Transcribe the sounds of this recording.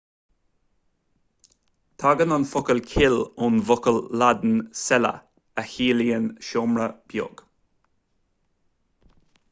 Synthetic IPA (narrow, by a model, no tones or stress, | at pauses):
t̪ʰɑːɡənənfɔkəlkʰɪlʊnvɔkəlːad̪n̩sɛlə̰ | æhiːliənʃɔmɹəb̥jɔ̰ɡ̥